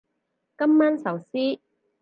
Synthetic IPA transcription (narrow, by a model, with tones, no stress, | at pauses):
kɐ˥mːaː˥nsɐ˨wsiː˥